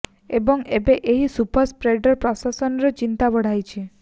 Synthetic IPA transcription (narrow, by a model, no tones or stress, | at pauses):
ebɔŋebeʔeɦisupəɾspɾeɖɔɾpɾɔsasɔnɔɾet͡ʃint̪abɔɽ̤ajt͡ʃʰe